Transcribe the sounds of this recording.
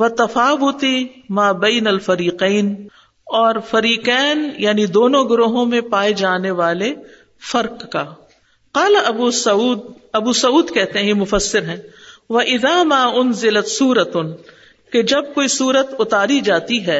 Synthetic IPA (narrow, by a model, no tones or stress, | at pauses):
ʋɐt̪ɐfaːʋʊt̪imaːbɛːnɐlfɐɾiːqɛːn | ɔːɾfɐɾiːqɛːnjaːnid̪oːnõɡʊɾoːɦõmẽpaːed͡ʒaːneʋaːle | fɐɾqːaː | qaːlaʔɐbuːuːd̪ɐbusɐuːd̪kɛɦt̪eɦɛ̃jemʊfɐsːɪɾɦɛ̃ːʋɐʔɪðaːmaːʊnzɪlɐt̪suːɾɐ | ked͡ʒɐb̚koːisuːɾət̪ʊt̪aːɾid͡ʒaːt̪iɦɛː